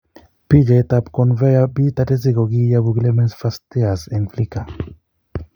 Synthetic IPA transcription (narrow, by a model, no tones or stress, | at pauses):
piʎet̪apkonvejabit̪ad̪ez̬iɣoɡijaβuɡlemensfast̪easenflika